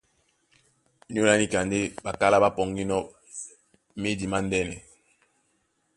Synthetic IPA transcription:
ɲ˦o˦la˦ni˦ka˨nde˦ba˨ka˦la˦ba˦pɔ˨ŋɡi˦nɔ˦ | me˦di˨ma˦ndɛ˦nɛ˨

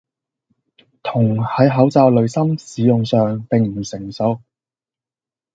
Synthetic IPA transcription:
t̪ʰʊ˨˩ŋhɐ˨˥jɦɐ˨˥wt͡saː˧wlɵ˨˧ɥsɐ˥msiː˨˧jʊ˨ŋsœː˨ŋpɪ˨ŋm̩˨˩sɪ˨˩ŋso˨˧˥w

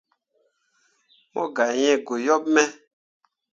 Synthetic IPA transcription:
mɔ̰̃˦ɡa˨jɛ̃˦ɡo˨jɔ˦p̚mɛ˦

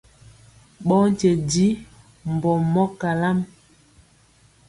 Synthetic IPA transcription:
ɓɔ˦n˦t͡ʃe˨di˦ | m˨bɔ˨mɔ˦ka˨la˦m

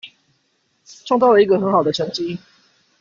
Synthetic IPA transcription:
ʈ͡ʂʰŋt̪ɑ˥˩ʊə˨˩i˧˥ɡə˨xə˧˥ŋxɑ˨˩ʊd̪ə˩ʈ͡ʂʰɤ˧˥ŋt͡ɕi˦

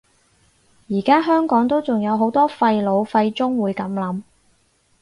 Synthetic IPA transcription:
jiː˨˩kaː˥ɦœː˥ŋkɔː˨˥ŋt̪o˥wt͡sʊ˨˩ŋjɐ˨˧wɦo˨˥wt̪ɔː˥fɐ˧jlo˨˧wfɐ˧jt͡sʊ˥ŋwuː˨˧jkɐ˨˥mlɐ˨˥m

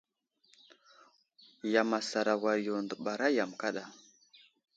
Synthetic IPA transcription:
ja˨ma˨sa˨ɾa˨wa˨ɾjo˨ndə˨ɓa˨ɾa˦ja˨mka˦ɗa˨

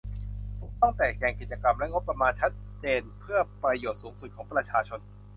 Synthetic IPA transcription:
pʰo˩˦t̪ɔ˥˩ŋt̪ɛː˨˩k̚t͡ɕɛː˧˩ŋki˨˩t͡ɕa˧ka˧mlɛ˦˥ŋo˦˥pːa˧maː˧nt͡ɕʰa˦˥t̪̚t͡ɕeː˧npʰɯ˥˩ɐpɾa˧joː˨˩t̪̚suː˩˦ŋsu˨˩t̪̚kʰɔː˩˦ŋpɾa˧t͡ɕʰaː˧t͡ɕʰo˧n

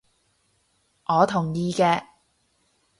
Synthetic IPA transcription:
ʔɔː˨˧t̪ʰʊ˨˩ŋjiː˧kɛː˧

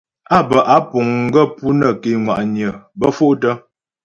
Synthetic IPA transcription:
a˦˨bə˨ʔa˨˦pu˨ŋŋ̩˦ɡə˦˨pu˦nə˨ke˨ŋwa̰˨ʔɲə˨bə˦fo˦ʔtə˦

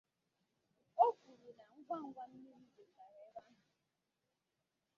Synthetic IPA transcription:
o˦ɡu˨ɾu˨na˨ŋ̩˦ɡʷa˦ŋ̩˦ɡʷa˦n̩˦nɪ˦m̩˦de˨fa˦ɾe˦ba˦nʊ˨

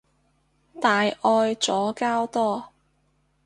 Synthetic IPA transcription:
t̪aː˨jʔɔː˧jt͡sɔː˨˥kaː˥wt̪ɔː˥

